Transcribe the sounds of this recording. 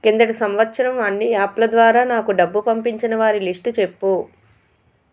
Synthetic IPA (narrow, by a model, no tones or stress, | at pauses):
kind̪ɐʈisɐmʋɐt̪ːʃɐɾɐmɐnːiaːplɐd̪ʋaːɾaːnaːkuɖɐbːupɐmpiɲt͡ʃinɐʋaːɾilisʈut͡ʃe̞pːu